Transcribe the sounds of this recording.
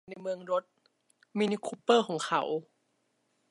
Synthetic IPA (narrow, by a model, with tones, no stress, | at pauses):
na˧jmɯ˧əŋɾo˦˥t̪̚ | miː˧niː˧kʰuː˧˥pːɤː˥˩kʰɔː˩˦ŋkʰa̰˧˩˦w